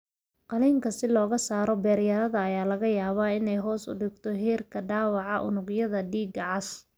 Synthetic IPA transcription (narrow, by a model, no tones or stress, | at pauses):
qɑliːŋkʰɐsɪlɔːɣɐsaːɾɔbɛːɾjɐðɐðɐːjaːlɐɣɐjaːβaɪnɛjɦɔːsʊ̰ɖɪɡt̪ʰɔɦiːrkʰɐɖaːwɑʕɑʔʊ̰nʊɡjɐðɐɖiːɡʕɑs